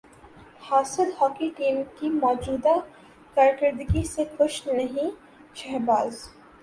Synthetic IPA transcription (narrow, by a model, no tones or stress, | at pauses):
haːsəlhɔːkiʈiːmkimɔːd͡ʒuːd̪a | kaːɾkəɾd̪ɡisekʊt͡ʃʰnɐɦĩ | ʃɛːɦbaːz